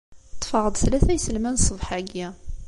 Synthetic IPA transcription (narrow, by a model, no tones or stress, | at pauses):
t̪ˤːfɑʁəd̪ˤθlæθæjsəlmænsˤəvħaɡæ